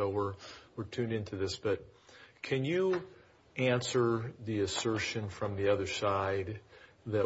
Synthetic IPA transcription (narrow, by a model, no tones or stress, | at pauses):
oʊwə˞wəɹtʰʉ̃ndɪ̃ntʰʉðɪsb̥ʌt̚kʰɨ̃njɨ | æ̃nsə˞ðiɨsɜ˞ʃɨ̃nfɹʌ̃mðiʌðə˞saɪd̪̚ | ðɨ